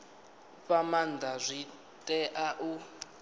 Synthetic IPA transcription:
pamandʱazʷi | tʼɛʔaʔu

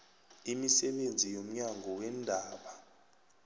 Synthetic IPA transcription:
imisɛɓend͡zʱijom̩ɲaŋʱɔwɛndʱaːɓa

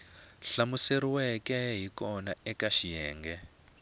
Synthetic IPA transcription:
ɬamuseɾiwɛkɛɦikɔnaɛkaʃijɛːŋɡɛ

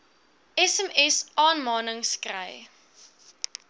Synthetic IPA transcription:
ɛsɛmɛsɑːnmɑːnəŋskrə̰j

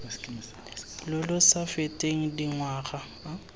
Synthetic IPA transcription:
lʊlʊsafetʼeŋ̩diŋwaːχa

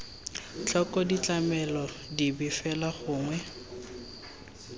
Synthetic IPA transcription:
t͡ɬɔkʼɔdit͡ɬʼamɛlɔdibɪfɛlaχʊːŋwɛ

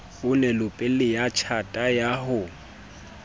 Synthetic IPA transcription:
ʊnɛlʊpʼɪlɪjat͡ʃʰatʼajahʊ

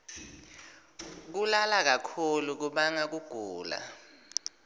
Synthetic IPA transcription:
k̬ulalak̬akʰuluk̬uɓaŋak̬uɡ̥ʱuːla̰

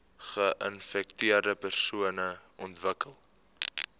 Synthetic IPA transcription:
χəʔənfɛktiərdəpərsuənə | ɔntvəkəlˠ

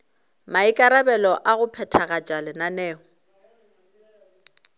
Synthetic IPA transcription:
maikʼaɾabɛlɔʔaɣʊpʰɛtʰaɣat͡ʃʼalɪnanɛːɔ

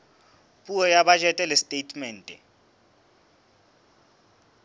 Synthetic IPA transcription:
pʼuɔjaɓad͡ʒʼɛtʼɛlɛstʼetʰʼmɛːntʼɛ

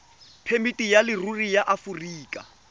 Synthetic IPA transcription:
pʰemitʼijalɪrurijaʔafuriːkʼa

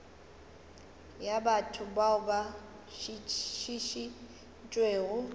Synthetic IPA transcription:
jabatʰʊbaʊba | ʃiʃiʃi | nt͡ʃʼweːɣʊ

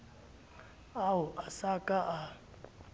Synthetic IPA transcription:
auʔasakʼaʔa

